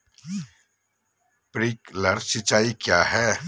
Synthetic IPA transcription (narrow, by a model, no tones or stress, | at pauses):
pɾiːkləɾsɪt͡ʃaːikjaːɦɛː